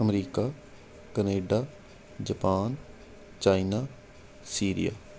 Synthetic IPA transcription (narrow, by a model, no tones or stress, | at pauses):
əmɾiːkaː | kəneːɖaː | d͡ʒəpaːn | t͡ʃaːinaː | siːɾḭja̰ː